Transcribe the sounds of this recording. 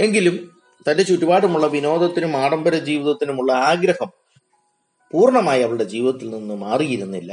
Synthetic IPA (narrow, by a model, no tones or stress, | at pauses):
e̞ŋɡilum | t̪ɐnde̞t͡ɕuʈːibaːɽumuɭːɐʋino̞ːd̪ɐt̪ːinumaːɽɐmbɐɾɐd͡ʑiːʋiðɐt̪ːinumuɭːɐaːɡɾɐhɐm | puːrɳɐmaːjɐʋɐɭɨɽe̞d͡ʑiːʋiðɐt̪ːilninːɨmaːrijiɾunːilːɐ̰